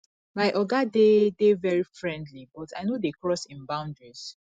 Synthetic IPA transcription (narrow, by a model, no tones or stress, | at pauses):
majʔɔɡadedevɛɹifɹɛ̃ndlibɔtaɪnodekɹɔsĩnbãʊ̃ndɹiz̥